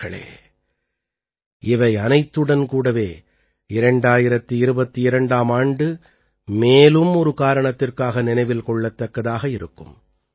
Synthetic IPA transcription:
ɐɭḛː | ɪʋɐɪɐnɐɪt̪ːɯɽɐnkuːɽɐʋeː | ɪɾɐɳɖaːjɪɾɐt̪ːɯɪɾɯbɐt̪ːɯɪɾɐɳɖaːmaːɳɖɯ | meːlɯmɔɾɯkaːɾɐɳɐt̪ːɪrkaːɣɐnɪnɐɪʋɪlkɔɭːɐt̪ːɐkːɐðaːɣɐɪɾɯ̰kːɯ̰m

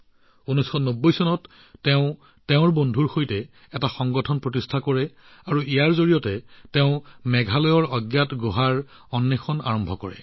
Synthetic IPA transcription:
unɔjsxɔnobːojsɔnɔtː | ɛʊ̃ | tɛʊ̃ɹbondʱuɹxojtɛ | ɛtaxɔŋɡɔtʰɔnpɹotistʰakɔɹɛ | aɹuijaɹzoɹijɔtɛtɛʊ̃mɛɡʱalɔjɔɹɔɡjatɡoɦaɹ | ɔnːexʰɔna̰ɹɔmbʱɔkɔ̰ɹɛ̰

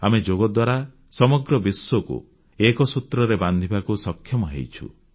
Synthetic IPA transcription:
amed͡ʒoɡɔd̪waɾa | sɔmɔɡɾɔbisːwɔkṵ | ekɔsut̪ɾɔɾeband̪ʱibakusɔkʰːjɔmɔɦḛjt͡ʃʰṵ

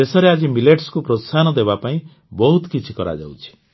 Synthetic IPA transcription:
t̪esɔɾead͡ʒimileʈskupɾɔsanɔd̪ebapaĩ | bɔɦut̪kit͡ʃʰikɔɾa̰d͡ʒa̰wt͡ʃʰi̥

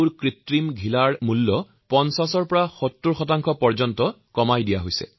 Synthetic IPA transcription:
ɹkɹitɹimɡʱilaɹmulːɔ | pɔnsasɔɹpɔɹaxotːuɹxɔtaŋkʰɔpɔɹzɔntɔ | kɔmajdijaɦojsɛ̰

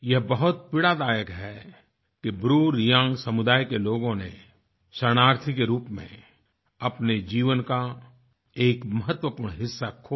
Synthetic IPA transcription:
jɐɦbəɦʊt̪̚pɪɽad̪aːjəkɦɛ | kibɾuːɾijãːŋɡsɐmʊd̪aːjkeloːɡõnḛ | ʃəɽ̃aːɾt̪ʰikeɾuːpmḛ̃ | ɐpned͡ʒiːʋənka | eːkmɐɦət̪wəpʊːɾɽ̃ɦɪsːakʰoː

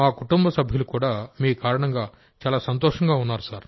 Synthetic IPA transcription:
maːkuʈumbɐsɐbʱjɐlukuːɽaːmiːukaːɾɐɳɐŋɡaː | t͡ʃaːlaːsɐnt̪ɔːʂɐŋɡaːunːaːɾusaːɾ

